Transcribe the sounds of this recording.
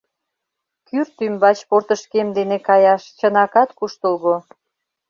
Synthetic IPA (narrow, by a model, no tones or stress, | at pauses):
kyrt̪ymbɑt͡ɕport̪əʃkemd̪enekɑjɑʃt͡ɕənɑkɑt̪kuʃt̪əlɣo